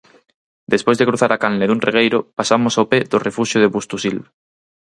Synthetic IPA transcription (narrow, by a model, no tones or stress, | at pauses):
d̪espozðekɾuθaɾakalneðunreɣ̞ejɾopasamosapeðorefuʃjoð̞eβust̪usilβ